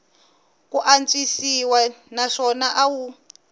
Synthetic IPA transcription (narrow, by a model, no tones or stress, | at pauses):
kuʔant͡sʼisiwanaʂɔnaʔawu